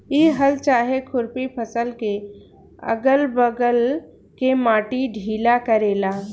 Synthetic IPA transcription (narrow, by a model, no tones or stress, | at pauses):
iːɦəlt͡ʃaːɦekʰʊɾpipʰəsəlke | ə̰ɡəlbəɡəl | kemaːʈiɖʱiːlakəɾeːlaː